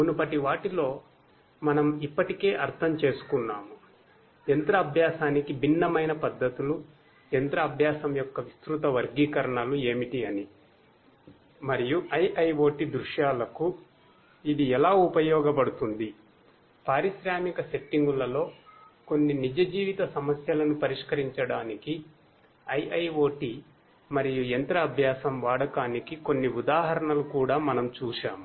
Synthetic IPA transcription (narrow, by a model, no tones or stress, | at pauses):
munupɐʈiʋaːʈilo̞ː | mɐnɐmipːɐʈike̞ːʔɐɾt̪ʰɐmt͡ʃe̞ːsu̥kunːaːmu | ent̪ɾɐːbʱjaːsaːnikibʱinːɐmɐjnɐpɐd̪ːɐt̪ulu | ent̪ɾɐːbʱjaːsɐmjɔkːɐʋist̪ɾut̪ɐʋɐɾɡiːkɐɾɐɳɐlue̞ːmiʈiɐni | mɐɾijuɐjʔɐjʋo̞ːʈid̪ɾuʃjaːlɐku | id̪iɛlaːupɐjɔːɡɐp̬ɐɽut̪und̪i | paːɾiʃɾaːmikɐse̞ʈːiŋɡulɐlo̞ː | ko̞nːinid͡ʒɐd͡ʒiːʋit̪ɐsɐmɐsjɐlɐnupɐɾiʂkɐɾiɲt͡ʃɐɽaːniki | ɐjɐjʋo̞ːʈi | mɐɾijuent̪ɾɐːbʱjaːsɐmʋaːɽɐkaːnikiko̞nːiud̪aːɦɐɾɐɳɐlukuːɽaːmɐnɐmt͡ʃuːʃaːm